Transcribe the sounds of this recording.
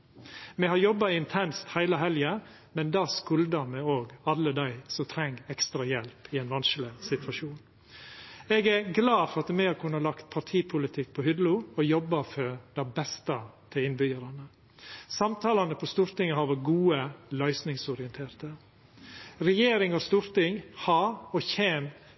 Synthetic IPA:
mɛhɑɾjɔbːɑɪnt̪ʰɛnst̪hæɪləɦɛljə | mɛnd̪ɑːskʉld̪əɾmɛoːɡɑlːəd̪æɪsɔmt̪ʰɾɛŋɡɛkst̪ɾɑjɛlpʰɪɛnʋɑnʃlɪsɪt̪ʋɑʃuːn | ɛɡæɾɡlɑːfɔɾɑt̪mɛhɑɾkʰʉnːəlɑkt̪̚pʰɑʈʰiːpʰʊlɪt̪ʰɪk̚ːpʰɔhʏd̪luɔjɔbːɑfɔɾd̪æɪbɛst̪ət̪ʰɪlɪnbʏjəɾɑnə | sɑmt̪ʰɑːlɑnəpʰɔst̪uːɾt̪ɪŋːəɦɑɾʋɔɡuːəlœʏsnɪŋsɔɾɪənt̪ʰeːɾt̪ə | ɾɛjeːɾɪŋɔst̪uːɾt̪ɪŋhɑɾɔçeːm

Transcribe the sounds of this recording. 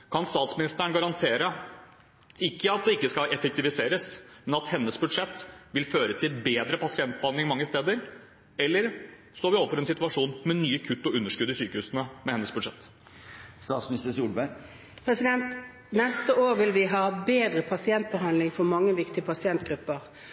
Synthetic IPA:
kʰɑnst̪ɑːt̪smɪnɪst̪əɳɡɑɾɑnt̪ʰeːɾə | ɪkːəɑt̪̚d̪ɛɪkːəskɑɛfɛk̚t̪ɪʋɪseːɾəsmɛnɑt̪hɛnːəsbʉd̪ʂɛt̪ːʋɪlføːɾət̪ʰɪlbeːd̪ɾəpʰɑsɪɛnt̪̚bəhɑnd̪lɪŋɪmɑŋːəst̪eːd̪əɾ | ɛlːəɾ | st̪oːɾʋɪoːʋəfɔɾɛnsɪt̪ʉɑʂuːnmɛnyːəkʰʉt̪ːɔʉnːəʂkʉd̪ːəɪsyːkəhʉːsənəmɛhɛnːəsbʉd̪ʂɛt̪ː | st̪ɑːt̪smnɪst̪əsuːlbæɾ | pʰɾɛsɪd̪ɛnt̪ | nɛst̪əoːʁʋɪlʋɪɦɑːbeːd̪ʁəpʰɑsɪɛnt̪̚bəɦɑnd̪lɪŋfɔmɑŋːəʋɪkt̪ɪəpʰɑsɪɛnt̪ɡ̥ʁʉpːəʁ

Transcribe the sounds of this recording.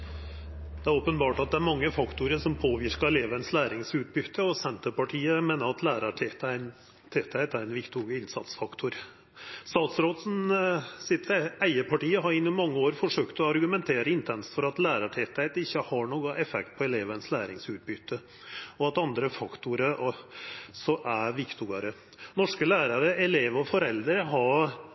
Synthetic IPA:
d̪̥ɛæɾoːpənbɑːʈɑt̪̚d̪ɛæɾmɑŋːəfɑkt̪ʊɾəʂɔmpʰoːʋɪɾkəɾɛleːʋənslæːɾɪŋsʉːt̪̚bʏt̪ʰːəɔsɛnt̪əpɑʈʰiːəmeːnəɾɑt̪læːɾəʈʰɛt̪æn | t̪ʰeːt̪ʰhæɪt̪æɾɛnʋɪkt̪ʰuːɡəɪnsɑ̰t̪sfɑkt̪ʰʊɾ | st̪ɑːt̪sɾoːt̪sn̩sɪt̪æɪəpɑʈiːəɦɑɾɪnːʊmɑŋːəoːɾfɔʂøːkt̪ɔɑɾɡʉmɛnt̪ʰeːɾəɪnt̪ʰɛnsfɔɾɑt̪læːɾəʈʰeːt̪æɪt̪ɪçːəhɑɳoːɡʊʔɛfɛ̰k̚t̪̚pʰɔɛleːʋənslæːɾɪŋsʉːt̪̚bʏt̪ʰːə | ɔɑt̪ɑnd̪ɾəfɑkt̪ʊɾə | sɔʔæɾʋɪkt̪ʊɡəɾə | nɔʂkəlæːɾəɾəɛleːʋɔfɔɾɛld̪əɾəɦɑɾ

